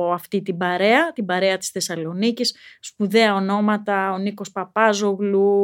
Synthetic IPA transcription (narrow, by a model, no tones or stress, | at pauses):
ɐft̪it̪ibɐɾe̞ɐt̪ibɐɾe̞ɐt̪i̥sθe̞sɐlo̞nicisːpuðe̞ɐo̞no̞mɐt̪ɐo̞niko̞spɐpɐzo̞ɣlu